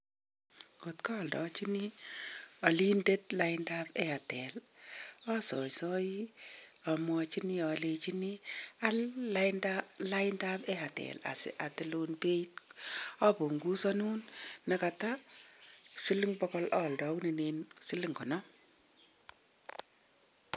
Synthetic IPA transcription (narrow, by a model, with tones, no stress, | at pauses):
ko˨tkɔ˦˨ldɔ̰˨t͡ʃi˦ni˦ | a˨li˦nde˦t̚la˦ɪnda˦pe˦a˨tɛ˨l | ɔ˦sɔ˨sɔ˦ji˦a˨mwɔ˧t͡ʃi˦ni˦ɔ˨le˨t͡ʃi˦ni˦a˦lːa˦jndala˦ɪ˦nda˦pe˦a˨tɛ̰˨la̰˨sḛ˨ʔa˨tɪ˨lo˨npe˦t̚ɔ˦pu˨ŋɡu˦sɔ˦nu˦nːa˨ka˨ta˦ | si˦li˦ŋbɔ˦kɔ˦lɔ˦˨ldɔ˨˦u˦ni˨ne˨nsi˦li˦ŋkɔ˨nɔ˦